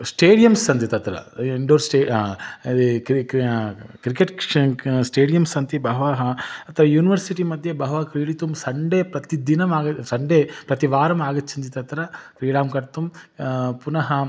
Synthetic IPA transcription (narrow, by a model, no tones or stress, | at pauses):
sʈeːɽijɐmsɐnd̪it̪ɐt̪ɾɐ̰iɳɖoːɾsʈeː | k | kɾikeʈ | sʈeːɽijɐmsɐnt̪ibɐɦʋaːɦɐɐt̪ʰɐʋɐjuːniʋɐɾsiʈimɐd̪ʱjebɐɦɐʋakɾiːɽit̪umsɐɳɖeːpɾɐt̪id̪inɐmaːɡɐsɐɳɖeːpɾɐt̪iʋaːɾɐmaːɡɐt̪ːsʰɐnt̪̬it̪ɐt̪ɾɐfɾiːɽaːmkɐɾt̪um | punɐɦɐ